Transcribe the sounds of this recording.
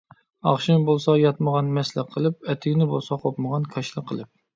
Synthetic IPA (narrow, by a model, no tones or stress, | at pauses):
ɑχʃinbolˠsɑjɑt̪məʁɑnmɛslɪqʰəlˠɨp̚ɛt̪ʰɪɡʲnɪbolˠsɑqʰopməʁɑnkʰɑʃlˠɨqʰːəlˠɨp̚